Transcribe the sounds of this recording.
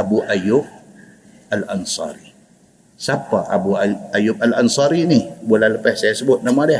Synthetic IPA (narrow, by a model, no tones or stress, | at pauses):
abuʔajʊp̚ | alʔansɑ̰ɾi | sapaʔabuaajʊb̚alansɑɾinibolaləpɛhsajasəbʊt̪̚namadɛ